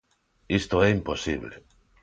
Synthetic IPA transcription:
ist̪oeimposiβlḛ

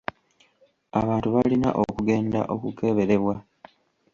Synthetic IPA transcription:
aβaːntuβalina̰ʔokuɡe̞ːnda̰ʔo̞kuke̞βe̞ɾe̞βwa

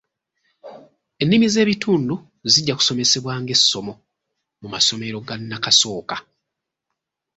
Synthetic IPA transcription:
e̞nːimize̞ːβitʰuːndu | ziɟːaku̥so̞me̞se̞βwaːŋɡe̞sːo̞mo̞ | mumaso̞me̞ɾo̞ɡanːakaso̞ːka

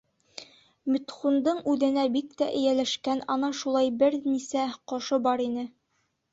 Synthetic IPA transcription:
mɵ̆t̪χund̪ɤɴʉðɘ̆næbikt̪æʔɘ̆jælæʃkænɒnɑʃulˠɑjbɘɾnisæqɒʃɤbɒɾinɘ

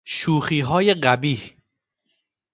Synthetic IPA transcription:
ʃuːxiːɦɒːjeɢæbiːh

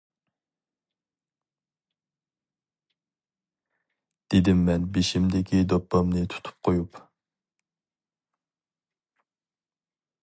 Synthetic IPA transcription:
d̪̥ed̪ɪmːɛnbeʃimd̪ɪkʲid̪ɑpːɑmnɨt̪ʰu̥t̪ʰu̥p̚qʰojup

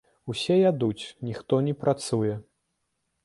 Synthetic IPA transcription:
usʲɛjad̪ut͡sʲnʲixt̪ɔnʲɛpɾʔat̪sujɛ

